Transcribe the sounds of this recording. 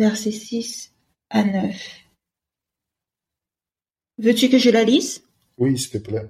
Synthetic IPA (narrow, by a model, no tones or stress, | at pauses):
vɛʁsesis | anœf | vøt̪ykəʒəlalis | wisə̥t̪ɛplɛ